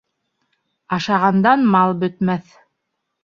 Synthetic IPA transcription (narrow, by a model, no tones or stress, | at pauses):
ɑʃɑʁɑnd̪ɑnmɑlˠbɵ̆t̪mæθ